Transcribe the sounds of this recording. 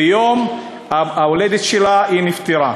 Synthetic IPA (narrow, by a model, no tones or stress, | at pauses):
joːm | aaoled̪et̪ʃelainɪft̪iɾˤa